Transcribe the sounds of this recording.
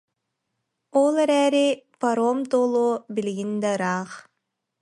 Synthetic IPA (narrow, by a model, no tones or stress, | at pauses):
olˠɛɾɛːɾipɐɾoːmt̪oːlˠoːbiliɡind̪ɛɯɾaːχ